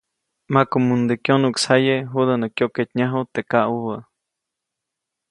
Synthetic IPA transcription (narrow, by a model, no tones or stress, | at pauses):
makumund̪ekjonukshajeɦud̪ənəkjoʔket̪ɲaɦut̪eʔkaʔuwə